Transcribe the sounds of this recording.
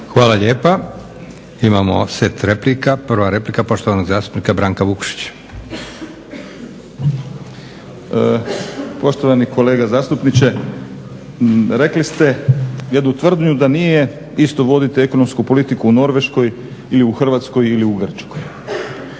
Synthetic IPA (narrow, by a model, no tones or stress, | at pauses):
xʋaːlaʎeːpa | imamo̰set̪ɾeplikapr̩ʋaɾe̞plikapo̞ʃt̪oʋanoɡzaːst̪u̥pnikabɾaːŋkaʋukʃi̥t͡ɕ | po̞ʃt̪o̞ʋaniko̞le̞ːɡazaːst̪upnit͡ɕe̞ | ɾe̞klist̪e̞jed̪nut̪ʋr̩d̪ɲud̪anije | ist̪o̞ʋo̞d̪it̪ieko̞no̞mskupo̞lit̪ikuuno̞ɾʋe̞ʃko̞j | iliuxr̩ʋat̪sko̞jiliuɡr̩t͡ʃkoj